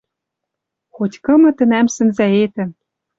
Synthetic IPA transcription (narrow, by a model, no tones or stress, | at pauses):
xotʲkɤ̆mɤ̆t̪ɘ̆næmsɘ̆nzæet̪ɘ̆